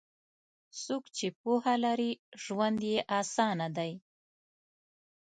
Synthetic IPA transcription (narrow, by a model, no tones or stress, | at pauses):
sokt͡ʃepuhalaɾiʒ̥wand̪jeʔɑsɑnad̪aj